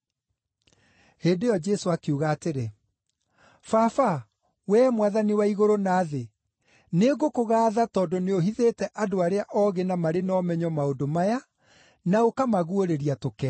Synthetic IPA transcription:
heːndejɔd͡ʒɛsoakeuɣaːteɾe | fafa | wɛːmwaðaniwaiɣoɾonaːðe | neɡokoɣaːðatɔːdɔneoɦiðeːtɛʔadoaɾeaʔɔɣenamaɾenɔmɛɲɔmaondomaja | naokamaɣuoɾeɾiatokɛ

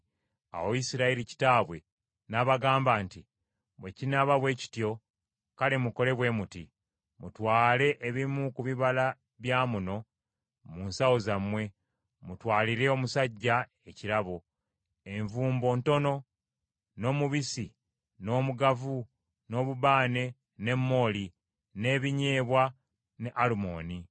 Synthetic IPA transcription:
a̰wojisiɾaeɾici̥taːβwe̞ | naβaɡaːmbaːnti | βwecinaβaβwe̞ːci̥tjo̞ | kalemuko̞le̞βwe̞muti | mutwaːle̞ʔːβimukuβiβala | βjaːmuno̞ | munsawo̞zamwe̞ | mutwaːliɾe̞o̞musaɟːa | e̞ciɾaβo̞ | e̞ɱvuːmbo̞ːnto̞no̞ | no̞ːmuβisi | no̞ːmuɡavu | no̞ːβuβaːne̞ | ne̞mːo̞ːli | ne̞ːβiɲe̞ːβwa | ne̞ʔalumo̞ːni

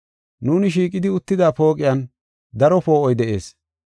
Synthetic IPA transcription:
nuːnɪʃ̬iːkʼɪd̪ɪʊt̪ːɪd̪aːpo̞ːkʼɪjan | d̪ɐɾɔpo̞ːʔɔjd̪ɛʔe̞̰ːs

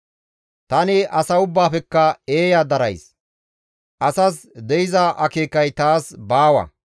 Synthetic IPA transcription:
t̪ɐnɪʔɐsɐʊbːaːpɛkːɐe̞ːjad̪ɐɾɐjs | ʔɐsɐs | d̪ɛjɪzaʔɐke̞ːkːɐjt̪aːsbaːwɐ̰

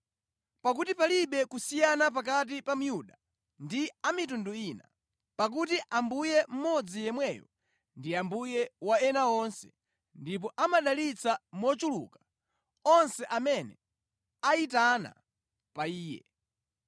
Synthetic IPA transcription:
pak̬utipaliɓɛkusijanap̬ak̬at̬ipam̩juɗa | ndiamitunduiːna | pak̬ut̬iʔambujɛm̩mɔd͡zijɛmwɛjɔ̰ | ndiambujɛwaɛnaɔnsɛ̥̰ | ndip̬ɔʔamaɗalit͡samwɔt͡ʃulṵkḁ | ɔnsɛʔamɛnɛ̰ | aitana̰ | paiːjɛ̰

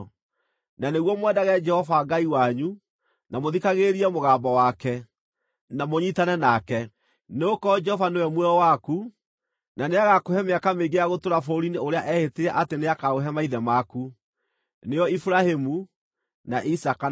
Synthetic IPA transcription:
naneɣwɔmwɛdaɣɛd͡ʒɛhɔvaːɡaiwaɲu | namoðikaɣeɾiɛmoɣaːmbɔwakɛ | namoɲitanɛnakɛ | neokɔd͡ʒɛhɔvanewɛmwɛɔwaku | naneaɣakohɛmeakameɡeaɣotoɾafoɾineoɾeaʔɛheteɾɛʔateneakaɣoɦɛmaiðɛmaku | nejɔifuɾahemu | naʔisaka

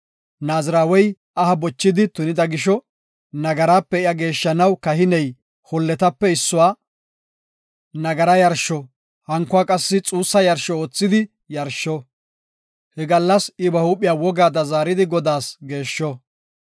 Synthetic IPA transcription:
naːzɪɾaːwɔj | ɐhɐbɔt͡ʃːɪd̪ɪt̪ʊnɪd̪ɐɡɪʃɔ | nɐɡɐɾaːpːɛɪjɐɡe̞ːʃːɐnɐwkɐɦɪnɛj | hɔlːɛt̪ɐpːɛɪsːʊwaː | nɐɡɐɾɐjɐɾʃɔ | hɐŋkːʊaːkʼɐsːɪt͡sʼuːsːɐjɐɾʃɔoːt͡sːɪd̪ɪ | jɐɾʃːɔ | hɛɡɐlːɐsɪbɐhupʼːɪjaːwɔɡaːd̪ɐzaːɾɪd̪ɪɡɔd̪aːsɡe̞ːʃːɔ

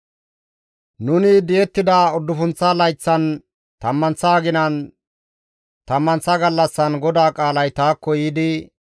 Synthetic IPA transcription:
nʊnɪd̪ɪjɛt̪ːɪd̪ɐɔd̪ːʊfʊnt͡sːɐlɐjt͡sːɐn | t̪ɐmːɐnt͡sːaːɡɪnɐn | t̪ɐmːɐnt͡sːɐɡɐlːɐsːɐnɡɔd̪aːkʼaːlɐjt̪aːkːɔjɪd̪ɪ

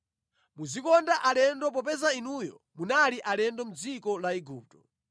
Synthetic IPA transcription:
muzikɔndaʔalɛndɔp̬ɔpɛzainujɔ̰ | munaliʔalɛndɔmud͡zikɔlaiɡuːp̚tɔ̥

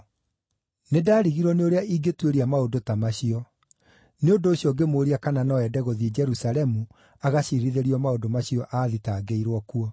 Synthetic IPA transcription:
nedaːɾiɣiɾwɔneoɾeaiɡetweɾiamaondotamaɕiɔ | neondoːɕiɔɡemoɾiakananɔɛdɛɣɔðed͡ʒɛɾusalɛmu | aɣaɕiɾiðeɾiɔmaondomaɕiɔʔaːðitaːɡeiɾwɔkuɔ

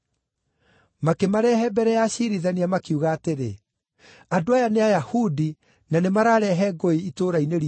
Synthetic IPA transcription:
makemaɾɛɦɛbɛɾɛjaɕiɾiðaniamakiuɣaːteɾe | adoajaneajahudi | nanemaɾaːɾɛɦɛɡoiitoːɾaineɾ

